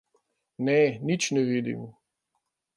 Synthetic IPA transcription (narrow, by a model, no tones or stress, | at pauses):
nɛnit͡ʃnɛʋiːd̪ḭm